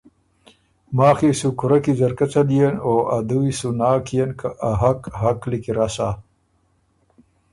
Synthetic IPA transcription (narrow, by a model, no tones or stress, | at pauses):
maːxisukʊɾakizaɾkat͡sad̪ijenoʔad̪uisunaːkijenkʰaʔaɦakɦaklikiɾasa